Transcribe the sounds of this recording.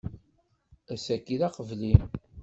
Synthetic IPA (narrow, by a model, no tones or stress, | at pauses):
æsækːiðɑqəvlin